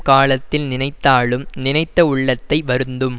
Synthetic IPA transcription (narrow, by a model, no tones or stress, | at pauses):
kaːɭɐt̪ːɪlnɪnɐɪt̪ːaːɭɯmnɪnɐɪt̪ːɐʊɭːɐt̪ːɐɪʋɐɾɯnd̪ɯm